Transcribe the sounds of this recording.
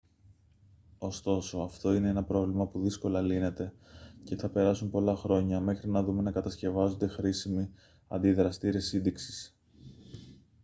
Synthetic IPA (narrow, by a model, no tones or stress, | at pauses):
o̞st̪o̞so̞ɐft̪o̞ine̞enɐpɾo̞vlimɐpuðisko̞lɐline̞t̪e̞ | ce̞θɐpe̞ɾɐsumpo̞lɐxɾo̞ɲɐme̞xɾinɐðume̞nɐkɐt̪ɐsce̞vɐzo̞nd̪e̞xɾisimi | ɐ̰nd̪iðɾɐst̪iɾesinðiksi̥s